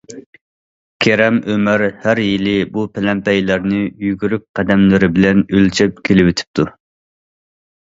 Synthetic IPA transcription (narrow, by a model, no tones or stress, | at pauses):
kʲʰeɾɛmʔømɪɾhæɾjilɪbupʰɪlɛmpɛjlæɾnɪjyɡʲyɾyp̚qɛd̪ɛmlɪɾɪbɪlɛnølt͡ʃʰɛp̚kʲʰelɪwet̪ʰɪ̥p̚t̪ʰu